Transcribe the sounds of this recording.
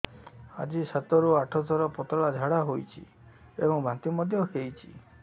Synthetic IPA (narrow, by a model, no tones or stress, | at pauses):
a̰d͡ʒisat̪ɔɾuaʈʰɔd̪ʱɔɾɔpɔt̪ɔɭad͡ʒʱaɽaɦojt͡ʃʰḭ | ebɔŋbʱãnt̪imɔd̪ʱjɔkejt͡ʃʰi̥̰